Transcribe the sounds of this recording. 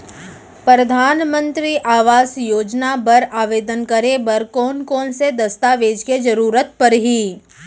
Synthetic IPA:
pɾəd̪ʱaːnmə̃nt̪ɾiʔaːʋaːsjoːd͡ʒnabɐɾaːʋeːd̪ənkəɾebɐɾkɔːnkɔːnsed̪ɐst̪aʋeːd͡ʒked͡ʒɐɾuːɾət̪pɐɾɦiː

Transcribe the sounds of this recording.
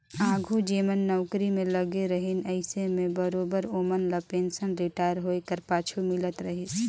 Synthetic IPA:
ãːɡʱud͡ʒeːmənːɔʊkɾimẽləɡeɾəɦinəɪsemẽbəɾoːbəɾoːmənləpeːnsənɾiʈaːjəɾɦoːekəɾpaːt͡ʃʰumɪlət̪ɾəɦis

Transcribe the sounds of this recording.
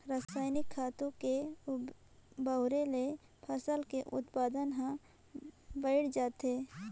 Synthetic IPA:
ɾaːsaːjnɪkʰːaːt̪õke | bəʊɾele | pʰəsəlkeʔʊt̪paːd̪ənɦã | bəɪɽd͡ʒaːt̪eː

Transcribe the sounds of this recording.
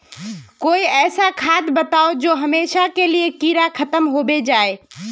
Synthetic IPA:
koːiɛːsakʰaːt̪bət̪aːod͡ʒoːɦɐmeːʃakeliekiːɾakʰət̪əmɦoːbed͡ʒaːe

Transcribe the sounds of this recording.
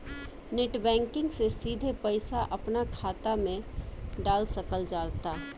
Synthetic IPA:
neʈbɛ̃ːŋkɪ̃ŋɡsesiːd̪ʱepɐɪsaʔɐpnakʰaːt̪amẽɖaːlsɐkəld͡ʒaːlt̪aː

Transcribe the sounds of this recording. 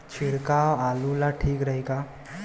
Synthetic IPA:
t͡ɕʰiɽkawalulaʈʰiːkɾəɦika

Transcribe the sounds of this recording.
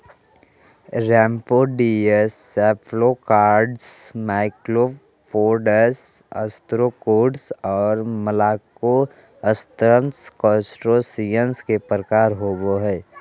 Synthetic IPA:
ɾɛ̃ːmpoɖiesːɛːpʰlokaːɾɖsmaːɪkɾo | pʰoːɾɖəsə̰st̪ɾokoːɖsɔːɾməlaːko | əst̪ɾənskɔ̃sʈɾosijənskepɾəkaːɾɦoːboɦɛː

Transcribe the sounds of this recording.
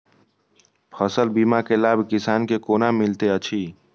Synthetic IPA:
pʰəsəlbiːmakelaːbkɪsaːnkekoːnamɪlt̪eət͡ʃʰiː

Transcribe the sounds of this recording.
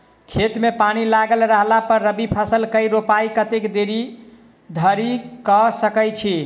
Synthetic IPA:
kʰet̪mepañilaɡəlɾəɦlapəɾːəbipʰəsəlkəiɾopajkət̪ekd̪eɾi | d̪ʱəɾikɔsəkəjt͡ʃʰi

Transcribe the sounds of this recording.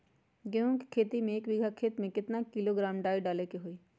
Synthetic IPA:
kjõːke̥kʰeːt̪imẽeːkʋɪɡʱakʰeːt̪mẽkɪt̪nakɪloːɡɾaːmɖaːiɖaːlekeɦoːiː

